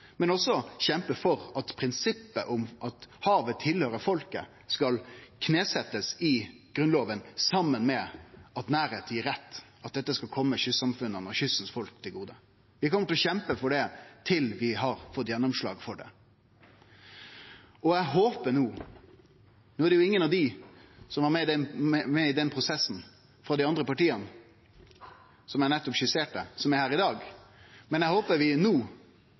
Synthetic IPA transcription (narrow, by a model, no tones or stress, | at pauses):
mɛnɔsɔɕɛmpəfɔɾɑt̪pʰɾɪnsɪpːəʔʊmʔɑt̪hɑːʋət̪ʰɪlhøːɾəfɔlkə | skɑlkʰneːsɛt̪ːəsɪɡ̥ɾʉnloːʋənsɑmːənmɛɑt̪næːɾheːt̪ʰɪɾɛt̪ː | ɑt̪̚d̪ɛt̪ːəskɑkʰɔmːəɕʏsːɑmfʉnːənɔɕʏsːn̩sfɔlk̚t̪ʰɪlɡuːd̪ə | ʋɪhɑkʰɔmːəʈ̪lɔɕɛmpəfɔɖɛt̪ʰɪlʋɪɦɑɾfɔt̪ːjɛnːɔmʂɭɑ̰ːɡfɔɖɛ̰ | ɔæɦoːpənuː | nuːæɖɛjʊɪŋːənɑʋd̪ɪsɔmɑmɛd̪ɛmɛɪd̪ɛnpʰɾʊsɛsːn̩ | fɾɑd̪ɪɑnd̪ɾəpɑʈiːən | sɔmæɾnɛt̪ːɔpɕʏseːʈəsɔmæɾhæːɾɪd̪ɑːɡmɛnæɪhoːpəɾʋɪnuː